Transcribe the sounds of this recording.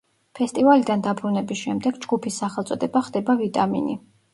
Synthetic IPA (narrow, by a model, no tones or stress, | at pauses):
pʰɛst̪ʼivalid̪and̪abɾunɛbisʃɛmd̪ɛɡd͡ʒɡupʰisːaχɛlˠt̪sʼɔd̪ɛbaχd̪ɛbavit̪ʼamḭni